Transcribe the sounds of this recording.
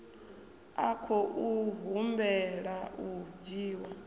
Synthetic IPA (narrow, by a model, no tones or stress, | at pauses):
akʰɔʔuɦumbɛɺaud͡ʒiːwa